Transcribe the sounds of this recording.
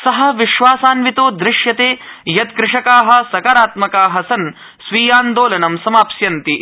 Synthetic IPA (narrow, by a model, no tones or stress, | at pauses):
sɐɦɐ̆ʋiʃʋaːsaːnʋit̪oːd̪ɾɪʃjɐt̪eːjɐt̪kɾɪʂɐkaːɦɐ̆sɐkaːɾaːt̪mɐkaːɦɐsɐn | sʋiːjaːnd̪oːlɐnɐmsɐmaːpsjɐnt̪i